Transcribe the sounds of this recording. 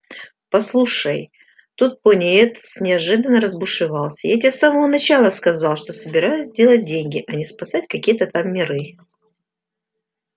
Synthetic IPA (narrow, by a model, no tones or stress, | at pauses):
pɐslˠuʂəj | t̪ut̪̚ponʲɪet̪snʲɪɐʐɨd̪ənːəɾəzbʊʂɨvɑlˠsʲəjatʲasːaməvənɐt͡ɕalˠəskɐzɑlˠʂt̪o̞səbʲɪɾajʊsʲzdʲe̞lˠət̚ʲdʲenʲɡʲɪʔɐnʲɪspɐsatʲkɐkʲijət̪ət̪amːʲɪɾɨ